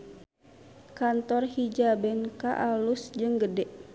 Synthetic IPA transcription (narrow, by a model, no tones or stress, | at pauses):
kant̪ɔrhid͡ʒabɛnkaʔalusd͡ʒɨŋɡədɛʔ